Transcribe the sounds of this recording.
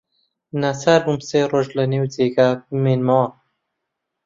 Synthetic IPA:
nasaɾbumseːroːʒlɐnewd͡zeːɡabɨmeːnmɐwɐ

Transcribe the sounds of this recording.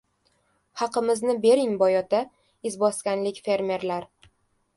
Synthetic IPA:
hɑqɨmɪznɪbe̞ɾɪŋbɒjɒt̪a | ɪzbɒskʲanlɪkʲfe̞ɾmʲe̞ɾlaɾ

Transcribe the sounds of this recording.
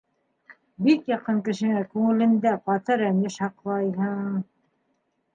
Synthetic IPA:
bikjɑqɤŋkɘ̆ʃɘ̆ŋækʉŋɘ̆lɘ̆nd̪æqɑt̪ɤɾænɘʃɑqlˠɑjɦɤɴ

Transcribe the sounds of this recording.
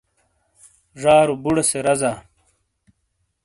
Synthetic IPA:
ʐaːɾubuɽeseɾɐzaː

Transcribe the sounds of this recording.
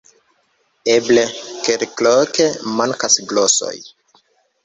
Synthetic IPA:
eblekelklokemaŋkasɡloso̞̰j

